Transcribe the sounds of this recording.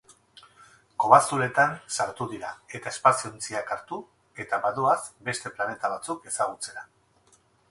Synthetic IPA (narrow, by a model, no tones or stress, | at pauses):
ko̞βasuɾe̞t̪ansaɾt̪uðiɾae̞t̪ae̞spasiont͡siakaɾt̪u | e̞t̪aβaðuasbe̞st̪e̞plane̞t̪aβat͡suke̞saɣ̞ut͡se̞ɾa